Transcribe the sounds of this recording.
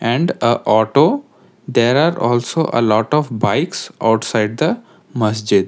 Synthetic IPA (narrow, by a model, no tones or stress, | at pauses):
ɛ̃ɳɖəʔɔːʈoː | d̪eːɾaːɾɔːlsoʔə̰lɔːʈɔːfbaɪksa̰ʊʈsaɪɖ̚d̪ə | mɐsd͡ʒɪd̪